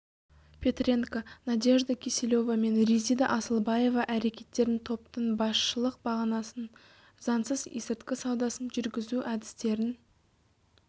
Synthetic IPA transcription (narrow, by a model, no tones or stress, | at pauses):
pʲʰe̞t̪rʲeŋkanɑd̪ʲe̞ʒd̪akʲʰeselo̞vame̞nrʲizijd̪ɑʔɑsəlˠbɑje̞vɑʔæɾe̞kʲe̞t̪ːe̞ɾɪnt̪ʰo̞pt̪əɴbɑsʃəlˠəq̚bɑʁɑnɑsən | z̥ɑnsəzḭsɪɾt̪kʲɪsɑwd̪ɑsənʒʏɾɡʲɪzuʔæd̪ɪst̪e̞ɾɪn